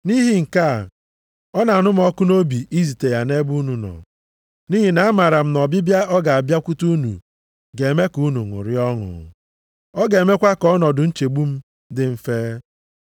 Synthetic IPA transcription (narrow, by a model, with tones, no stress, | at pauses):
ni˦ɦi˨ŋ̩˨ka˦˨ | ɔ˦na˨nʊ˦m˦ɔ˦kʊ˦no˦bi˨ʔi˦zi˨te˨ja˨ne˦bu˦nu˨nɔ̰˨ | ni˦ɦi˨na˨a˦ma˨ɾa˨m̩˦nɔ˨bɪ˦bja˦ʔɔ˦ɡa˨a˨bja˦kʷu˦tu˦nṵ˨ | ɡe˨me˦ku˦nu˨ŋʊ̰˨ɾɪ˦ɔ˦ŋʊ̰˨ | ɔ˦ɡe˨me˦kʷa˦kɔ˦nɔ˨dʊ˨n̩˦t͡ʃe˨ɡ͡bu˦m̩˦ | dɪ˦m̩˦feː˦